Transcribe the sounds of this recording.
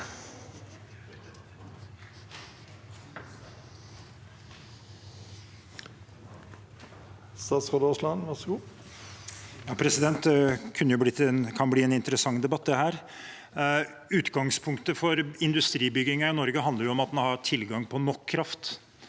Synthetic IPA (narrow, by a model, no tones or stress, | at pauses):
st̪ɑːt̪sʁod̪oslɑnʋɑʁsɡuː | jɑːpʰɾɛsɪd̪ɛnt̪d̪ɛkʰʉnːəjʊblɪt̪nkʰɑnbliːɛnɪnt̪əɾəsɑŋːd̪ɛbɑt̪ːd̪ɛhæːɾ | ʉːt̪ɡɑŋspʰʊŋkt̪əfɔɾɪnd̪ʉst̪ɾiːbʏɡɪŋɑɪnɔɾɡəɦɑnd̪əɾjʊɔmɑt̪̚d̪nhɑɾʈ̪ʰɪlɡɑŋpʰɔnɔkʰːɾɑft̪